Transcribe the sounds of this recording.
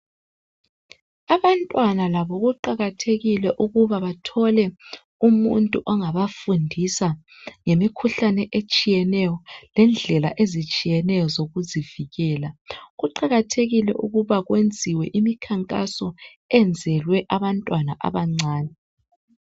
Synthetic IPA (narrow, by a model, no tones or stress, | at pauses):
aβantʼwanalaβɔɣuǃaɣatʰeɣilɛʔuɣuβaβatʰɔlɛ | umuntʼuʔɔŋaβafundʱisa | ŋemikʰuɬanɛʔet͡ʃʼijɛnɛjɔlɛnd͡ɮʱɛla̰ʔezit͡ʃʼijɛnɛjɔzoɣuziviɣɛːlaɣuǃaɣatʰeɣilɛ̰ʔuɣuβaɣwend͡zʱiwɛʔimikʰaŋkʼasɔ | ɛnd͡zʱɛlwɛʔaβantʼwana̰ʔa̰βaŋ͡ǀʱaːnɛ